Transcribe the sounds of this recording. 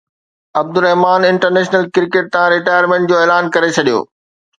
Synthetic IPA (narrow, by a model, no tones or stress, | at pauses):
ɐb̚d̪ʊɾɛɦmaːnɪ̃ɳʈəɾneːʃnəlkɪɾkeʈ̚t̪ãɾɪʈaːjəɾmẽːɳʈ̚d͡ʑoːeːlaːnkɐɾet͡ɕʰɐɗijo̰ː